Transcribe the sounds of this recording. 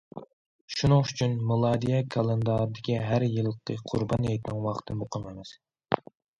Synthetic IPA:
ʃunɨŋyt͡ʃʰynmɨlˠɑd̪ijɛkʰɑlˠɛnd̪ɑɾɨd̪ɪkʲiɦæɾjɨl̚ˠːq̪ʰɨqʰʊ̰ɾbɑnjɛjt̪ʰnɪŋwɑχə̥t̪ʰɨmoqʰəmemɛs

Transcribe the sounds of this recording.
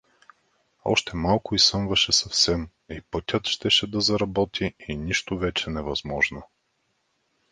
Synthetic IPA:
ɔ̰ʃt̪ɛmalˠkʊisɤmvɐʃɛsɐfsɛm | ipɤt̪ʲɤt̪ʃt̪ɛʃɛd̪ɐzɐɾɐbɔt̪ʰiiniʃt̪ʊvɛt͡ʃɛnɛvɐzmɔʒno

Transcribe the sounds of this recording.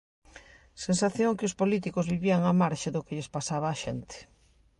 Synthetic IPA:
sens̬aθjoŋkɪospolit̪̬ikʊzβiβiaŋamaɾʃɪðʊkɪʎespasaβ̞aːʃent̪ɪ̥

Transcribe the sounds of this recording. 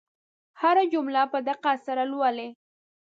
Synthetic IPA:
haɾad͡ʒʊmlapəd̪aqasaɾalwale

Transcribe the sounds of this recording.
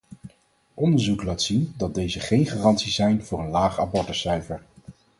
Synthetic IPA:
ʔɔndəɹzuklaːtsindɑd̚dejzəχejnχaːrɑntsizɛjnv̥ʊːɹənlaːχaːbɔɹtdəsœɥvəɹ

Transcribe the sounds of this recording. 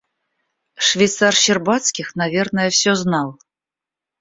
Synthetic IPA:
ʂvʲɛjt̪sarɕɪrbat̪skʲixnavʲernəjəfsʲoznɑlˠ

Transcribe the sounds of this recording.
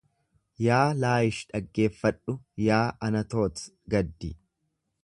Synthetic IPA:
jaːlaːjɪʃᶑɐɡːe̞ːfːɐᶑʊjaːɐnɐt̪o̞ːt̪ | ɡɐd̪ːɪ

